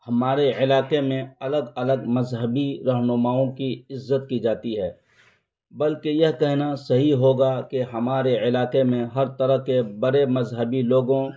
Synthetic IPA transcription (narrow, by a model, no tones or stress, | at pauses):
hɐmaːɾeɪlaːqemẽɐləɡɐləɡmɐzɦəbiɾɐɦnʊmaːõkiɪzːət̪̚kid͡ʒaːt̪iɦɛː | bɐlkejɐɦkɛɦnasɐɦiɦoːɡakeɦɐmaːɾeɪlaːqemẽɦɐɾt̪ɐɾəɦkebɐɾemɐzɦəbiloːɡõ